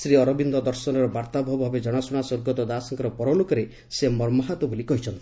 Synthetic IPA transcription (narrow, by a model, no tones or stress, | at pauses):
sɾiɔɾɔbind̪ɔd̪ɔɾsɔnɔɾɔbaɾt̪abʱɔbʱɔbed͡ʒɔɽ̃ɔsuɽ̃asoɾɡɔt̪ɔd̪asɔŋkɔɾɔpɔɾɔlokɔɾe | semɔɾmɔɦat̪ɔbolikɔɦit͡ʃʰɔnt̪i̥